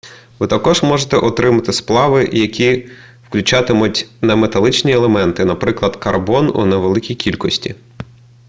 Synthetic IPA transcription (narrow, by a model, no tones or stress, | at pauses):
ʋɪt̪ɐkɔʒmɔʒet̪ɛʔɔt̪ɾɪmɐt̪ɪsplˠɑʋɪjɐkʲi | wklʲʊt͡ʃɑt̪ɪmʊtʲnɐmet̪ɐlˠɪt͡ʃnʲielˠemɛnt̪ɪnɐpɾɪklˠɐd̪̥kɐrbɔnṵneʋelˠɪkʲijkʲilʲkɔsʲtʲḭ